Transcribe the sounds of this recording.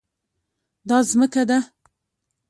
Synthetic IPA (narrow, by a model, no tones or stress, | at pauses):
d̪ɑzməkad̪a